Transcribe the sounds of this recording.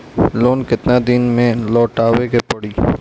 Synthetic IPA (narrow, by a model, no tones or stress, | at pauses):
loːnkɪt̪nad̪inmẽlɔːʈaːwekepɐɽiː